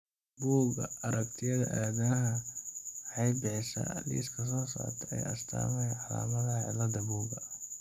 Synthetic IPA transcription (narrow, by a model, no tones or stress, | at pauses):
buːɡɐ̰ɐɾɐk̚t̪ʰɪjɐðɐ̰ʔaːðɐɐɦɐ | ħɑjbɪħɪsɐ̰lḭːskʰɐs̬ɔːsa̰ːrt̪ʰɛɛjɐst̪ʰa̰ːmɛjʕɑla̰ːmɐðɐʕɪ̰lɐd̪ɐbuːɡɐ